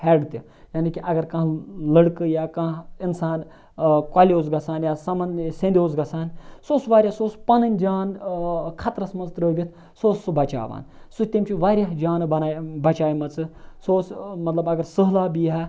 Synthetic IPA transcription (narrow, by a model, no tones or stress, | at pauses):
hɛɖt̪i | jaːnikiʔɐɡɐɾkɐ̃ɦlɐɽkɨjaːkɐ̃ɪnsaːn | kwaːlʲjoːzɡɐsaːnjaːsɐmɐnsẽnd̪ʲoːzɡɐsaːnsoːsʋaːɾʲjasoːspɐnɐnʲd͡ʒaːnkʰɐt̪ɾɐsmɐnzt̪ɾəːʋʲit̪ʰ | soːsːubɐt͡ʃa̰ːʋa̰ːnsut̪imt͡ʃʰuʋaːɾjaɦd͡ʒaːnbɐnaːbɐt͡ʃaːimɐt͡sɨsoːsmɐt̪lɐbɐɡɐɾsɨɦlaːbiːɦɐ